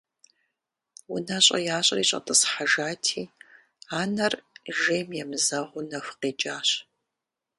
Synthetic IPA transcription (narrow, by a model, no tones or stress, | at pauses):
wʊnaɕʼɐ̰jaːɕʼɐriːɕʼɐ̰tʼɨsħaʒaːtʰiː | aːnɐrʒeːmjɛmzɐʁʷʊnɐxʷqeːt͡ʃʼaːɕ